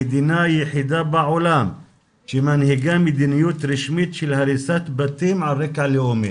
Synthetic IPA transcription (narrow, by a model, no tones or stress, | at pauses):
id̪inaːjiħid̪abaʕulam | t͡ʃimɐnhiɡɐmid̪inijut̪ɾiʃmit̪̚t͡ʃʰilhɐɾisɐt̪bɐt̪imʕaɾekaliome